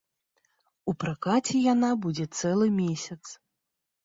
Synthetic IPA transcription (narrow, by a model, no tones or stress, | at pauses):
upɾakat͡sʲɛjanabud͡zʲɛt̪sɛlˠɨmʲesʲɐt̪s